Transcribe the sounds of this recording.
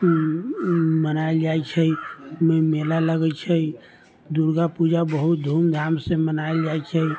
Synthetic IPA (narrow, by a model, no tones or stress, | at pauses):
mənaeld͡ʒajt͡ʃʰəmemelaləɡɛt͡ʃʰə | d̪uɾɡapud͡ʒabəɦut̪̚d̪ʱumd̪ʱamsẽmənaeld͡ʒajt͡ʃʰə